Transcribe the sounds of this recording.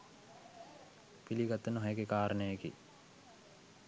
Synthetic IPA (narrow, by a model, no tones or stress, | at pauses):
piliɡat̪ːənəɦajəɡekaːɾənəjəkḭ